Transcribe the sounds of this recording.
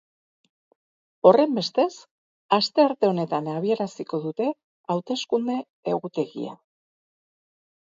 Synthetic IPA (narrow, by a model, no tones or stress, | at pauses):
o̞re̞mbe̞st̪e̞s | ast̪e̞aɾt̪e̞o̞ne̞t̪anaβ̞ie̞ɾasiko̞ðut̪e̞ | awt̪e̞skund̪e̞ː | ɣut̪e̞ɣḭa̰